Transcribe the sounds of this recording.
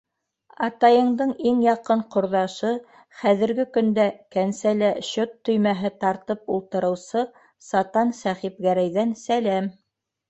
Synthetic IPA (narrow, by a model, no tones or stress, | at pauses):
ɑt̪ɑjɤ̆ɴd̪ɤɴiŋjɑqɤɴqŏɾðɑʃɤ | χæðɘ̆ɾɡɘkɵ̆nd̪ækænsælæɕot̪ːɵ̆jmæɦɘt̪ɑɾt̪ɤpulˠt̪ɤ̆ɾɤ̆wsɤ | sɑt̪ɑnsæχip̚ɡæɾæjðænsælæm